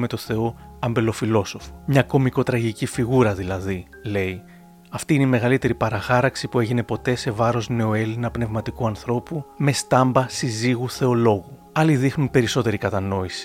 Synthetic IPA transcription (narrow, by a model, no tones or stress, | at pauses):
me̞t̪o̞θe̞o̞ɐmbe̞lo̞filo̞so̞fo̥mɲɐko̞miko̞t̪ɾɐʝicifiɣuɾɐðilɐði | le̞i | ɐft̪iineime̞ɣɐlit̪e̞ɾipɐɾɐxɐɾɐksipue̞ʝine̞po̞t̪e̞se̞vɐɾo̞zne̞o̞e̞linɐpne̞vmɐt̪ikuɐnθɾo̞pume̞st̪ɐmbɐsiziɣuθe̞o̞lo̞ɣu | ɐliðixnunpe̞ɾiso̞t̪e̞ɾikɐt̪ɐno̞isi̥